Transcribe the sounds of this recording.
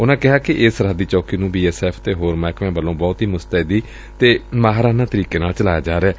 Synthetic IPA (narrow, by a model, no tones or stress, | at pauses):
ʊnãːkɪɦaːkɪʔɪːsəɾad̪iːt͡ʃɔːkiːnũːbiːɛːsɛːpʰt̪eːɦoːɾmɛːkʰʋẽːbəlːõːbɔːt̪ɦiːmʊst̪əːd̪iː | t̪eːmaːɦɾaːnãːt̪əɾiːkeːnaːlt͡ʃəlaːjaːd͡ʒaːɾeɛː